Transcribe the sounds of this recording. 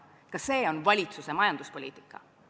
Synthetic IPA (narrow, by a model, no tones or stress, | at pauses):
kɑse̞ːo̞nvɑlʲit̪suse̞mɑjɑnd̪̥uspo̞lḭːt̪ˑi̥kːˑɑ̰